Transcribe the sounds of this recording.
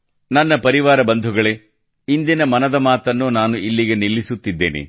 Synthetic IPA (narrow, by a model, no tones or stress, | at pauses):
nɐnːɐpɐɾiʋaːɾɐbɐnd̪ʱuɡɐɭe̞ | ind̪inɐmɐnɐd̪ɐmaːt̪ɐnːuːnaːnuʔilːiɡenilːisut̪ːid̪ːeːnḭ